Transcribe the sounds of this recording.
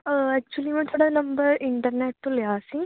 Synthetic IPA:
ɐk̚t͡ɕːuʋɐlimɐt̪ːuɽɐnɐmbɐiɳʈɐrneʈːuljaːsĩŋ

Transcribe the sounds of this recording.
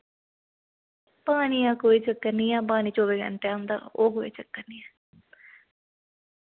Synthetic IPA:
paːnijãːkoːiːt͡ʃəkːəniːjãːp̬aːniːt͡ʃoːʋeːɡə̰ɳʈeːə̃nd̪a̰ːoːɦoːḛːt͡ʃəkːəniːɛː

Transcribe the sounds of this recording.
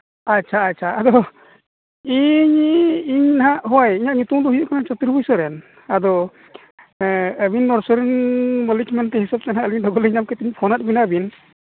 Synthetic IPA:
att͡ʃʰaːt̚t͡ʃʰaad̪ɔ | iɲiɲnaɦaʔɦɔwajiɲaʔɲut̪uŋd̪ɔɦijuʔkanat͡ʃɔt̪uɾbɔjsɔɾɛn | ad̪ɔ | əbinːɔɾsɔɾinməlikmant̪ɛɦisab̚t̪ɛnaəliɲdɔɡɔliɲamkɛt̪iɲpʰɔnat̪̚binabin

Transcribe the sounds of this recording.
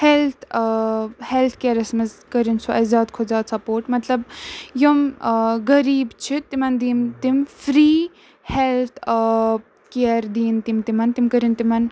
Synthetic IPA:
helt̪ʰ | helt̪ʰkeːɾɐsmɐzkɐɾinsuʔɐzaːd̪kʰozaːt̪sɐpoːɾʈmɐt̪lɐbjomɡɐɾiːbt͡ʃʰit̪imɐnd̪iːmt̪imfɾiː | helt̪ʰ | keɾd̪iːnt̪imt̪imɐnt̪imkɐɾint̪imɐn

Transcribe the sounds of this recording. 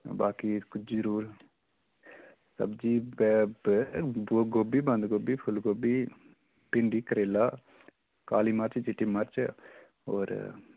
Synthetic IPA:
baːkikʊt͡ʃʰzəɾuːɾ | sɐ̰bd͡ʒiːb | boɡoːbibɐ̃nd̪ɡoːbipʰʊlɡoːbi | pɪɳɖikəɾeːla | kaːlimaɾt͡ʃd͡ʒiʈimaɾt͡ʃ | o̰ːɾ

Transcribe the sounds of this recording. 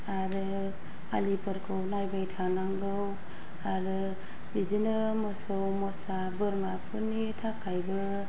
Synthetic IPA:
aɾɯ | a̰lipʰɯɾkʰɯwnajbajtʰanaŋɡɯw | aɾɯ | bid͡ʒɯnɯ | mɔsowmɔsa | bɯɾmapʰɯnitʰakʰajbɯ

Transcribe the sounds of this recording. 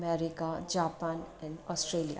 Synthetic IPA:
mɛɾɪkad͡ʒaːpãːnɛ̃ɳɔːsʈɾeːlija̰

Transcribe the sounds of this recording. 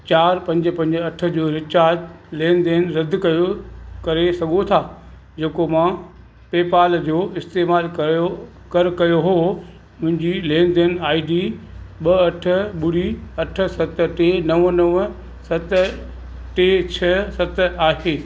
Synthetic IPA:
t͡ɕaːɾpɐ̃ɲd͡ʑɪ̆pɐ̃ɲd͡ʑɐʈʰə̆d͡ʑoːɾɪt͡ɕaːd͡ʑlẽːnd̪eːnɾɐd̪ʱkɐjokɐɾesɐɡʱot̪ʰaː | d͡ʑeːkomã | peːpaːld͡ʑoːɪst̪eːmaːlo | kɐɾkɐjoɦoː | mʊ̃ɦɪ̃ɲd͡ʑilẽːnd̪enaːiɖiɓɐɐʈʰə̆ɓʊɽiɐʈʰə̆sɐt̪̆ʈeːnɐʋənɐʋ | sɐt̪ | ʈeːt͡ɕʰɐsɐt̪aːɦeː

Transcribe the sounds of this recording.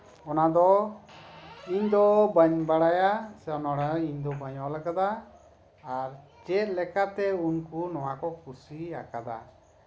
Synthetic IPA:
ɔnad̪ɔ | iɲd̪ɔbaɲbaɽajasɛɔnaɽaiɲd̪ɔbaɲɔlakad̪aː | ɾ | t͡ʃɛt̪̚lɛkat̪ɛunkunɔwakɔkʰusiakad̪a̰

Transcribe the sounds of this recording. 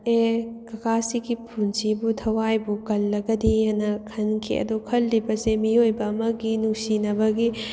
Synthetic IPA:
ekɐkʰasiɡipʰunsibutʰɐwajbukɐlːɐɡɐdijanɐkʰɐnkʰḭɐ̰d̪ukʰɐlːibɐsemiojbɐːmɐɡinusinɐbɐɡi

